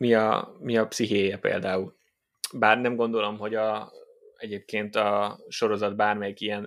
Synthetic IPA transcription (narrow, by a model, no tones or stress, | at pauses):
miɒ̰miɒpsiɦeːjɛpḛːld̪aːul | baːrnɛmɡo̞nd̪o̞lo̞mɦo̞ɟɒ | ɛɟeːp̚keːnt̪ɒʃo̞ɾo̞zɒd̪̚baːrmɛjikiɛn